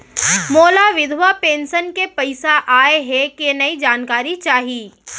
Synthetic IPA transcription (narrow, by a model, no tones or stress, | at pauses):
moːlaʋɪd̪ʱwapẽːnʃənkepɐɪsaʔaːeɦɛkienɐid͡ʒaːnkaːɾit͡ʃaːɦiː